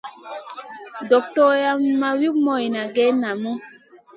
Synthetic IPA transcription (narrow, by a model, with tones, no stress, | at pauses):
dɔ˨k̚tɔ˦ja˦ma˨wi˦kmɔ˨ji˨na˨ɡɛ˦na˨mɔ˦